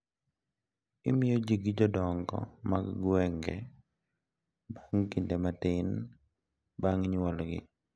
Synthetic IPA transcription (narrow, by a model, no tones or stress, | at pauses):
ɪmɪjod͡ʒiɡid͡ʒɔdɔŋɡɔ̰maɡɡwɛŋɡɛ̰ | baŋkindematɪn | baŋɲwɔlɡɪ̰